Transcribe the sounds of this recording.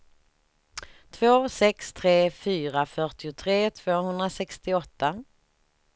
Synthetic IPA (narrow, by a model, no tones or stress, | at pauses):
t̪ʰvoːsɛkst̪ʰɾeːfyːɾafœʈɪʊt̪ʰɾeːt̪ʰv̥oːɦɵnd̪ɾasɛkst̪ɪɔt̪ːa